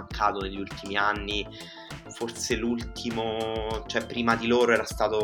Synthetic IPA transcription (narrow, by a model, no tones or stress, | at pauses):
aŋkʰaːt̪oneʎːult̪imianːi | forselult̪ʰimot͡ʃoɛpːɾiːmad̪iloːɾoɛːɾast̪aːt̪o